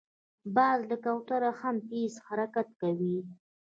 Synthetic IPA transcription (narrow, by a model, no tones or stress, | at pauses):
bald̪əkawt̪aɾaxampishaɾakat̪kawi